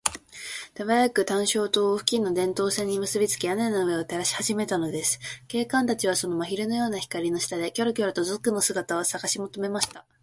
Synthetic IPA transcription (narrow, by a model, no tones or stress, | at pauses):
t̪aβajakɯ̟t̪ãɰ̃ɕo̞ːt̪o̞ːɸɯ̟̥kʲĩnːo̞d̪ẽ̞nt̪o̞ːsẽ̞ɲ̟ːimɯ̟sɨbʲit͡sɨ̥kʲijanenaɯ̟e̞ot̪e̞ɾaɕi̥haʑime̞t̪ano̞d̪e̞sɨ̥ke̞ːkãnt̪at͡ɕiβaso̞no̞maçiɾɯ̟no̞jo̞ːnaçi̥kaɾʲino̞ɕi̥t̪ad̪e̞kʲo̞ɾɯkʲo̞ɾɯ̟t̪ozɨkːɯno̞sɨɡat̪aβasaɡaɕimo̞t̪o̞me̞maɕi̥t̪a